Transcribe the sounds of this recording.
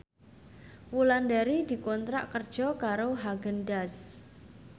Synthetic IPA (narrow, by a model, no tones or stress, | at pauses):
wulandaɾid̪̥i̤kɔnt̪ɾa̰ʔkərd̥ʒ̥ɔ̤kaɾoɦaɡəndas